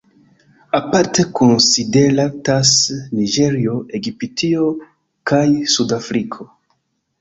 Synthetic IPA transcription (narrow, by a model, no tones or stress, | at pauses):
apaɾte̞konside̞ɾatasnid͡ʒe̞ɾio̞ʔe̞ɡipitʰio | kajsudafɾikʰo̞